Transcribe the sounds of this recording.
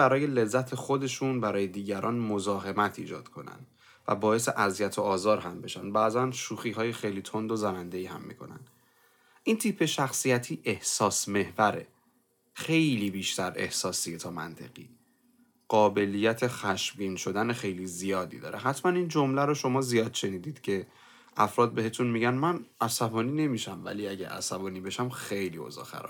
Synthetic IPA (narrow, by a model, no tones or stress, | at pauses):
æɾɒːje̞le̞zːæt̪ʰexo̞d̪e̞ʃunbæɾɒːje̞d̪iːɟæɾʔɒːnmozɒːɦe̞mæt̪ʰḭːd͡ʒɒ̰ːd̪̥kʰo̞næ̰nd̪̥ | væ̰bɒːje̞seʔæzijæt̪ʰoɒːzɒːɾɦæmbe̞ʃænd̪bæːzænʃuːxiːɦɒːjexejliːt̪ʰond̪ozænænd̪e̞iːhæ̰mːḭkʰo̞̰næ̰nd̪̥ | ʔint̪ʰipʰe̞ʃæxsijæt̪ʰiːʔe̞hsɒːsme̞hvæɾe̞̰ | xe̞jliːbiːʃt̪æɾe̞̰hsɒːsiet̪ʰɒːmæ̰nt̪ʰe̞̰ɣḭː | ɢ̥ɒːbe̞lijæt̪ʰe̞xæʃbiːnʃo̞d̪ænexe̞jlizijɒːd̪ḭːd̪ɒ̰ːɾeɦæt̪ʰmænind͡ʒo̞mlæɾoʃo̞mɒːzijɒːd̪̥ʃe̞niːd̪iːd̪̥cʰe̞ | ʔæfɾɒːd̪̚be̞het̪ʰunmiɟænmænʔæsæbɒːniːne̞miʃæmvæ̰liæɟæʔæ̰sæbɒːniːbe̞ʃæmxejlḭːo̰zɒ̰xæ̰ɾɒ̰